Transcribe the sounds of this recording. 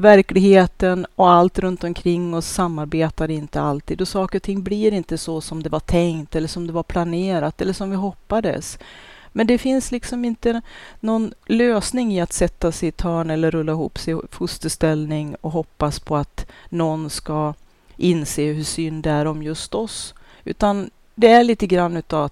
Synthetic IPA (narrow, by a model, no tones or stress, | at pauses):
væɾklɪɡheːt̪ənɔalt̪ɾɵnt̪ɔmkʰɾɪŋːɔsːamːaɾbeːt̪aɾɪnt̪əalt̪ʰiːd̪ɔsɑːkəɾɔt̪ʰɪŋːbliɾɪnt̪əsɔsɔmd̪ɛvaʈʰɛŋt̪ɛlːəʂɔmd̪ɛvaɾpʰlaneːɾat̪ɛlːəʂɔmvɪɦɔpːad̪ə̰s | mɛnd̪ɛfɪnslɪksɔmɪnt̪ənɔnløːsnɪŋɪat̪sɛt̪ːasɛt̪ʰœːɳɛlːəɾɵlːaɪɦṵːpsɛjfɵst̪əʂst̪ɛlnɪŋɔɦɔpːaspʰɔat̪nɔnska | ʔɪnːseːɦɵʂʏnd̪ɛæɾɔmjɵst̪ɔs | ʉ̟ːt̪an | d̪ɛæɭiːt̪əɡɾanːʉ̟ːt̪avat̪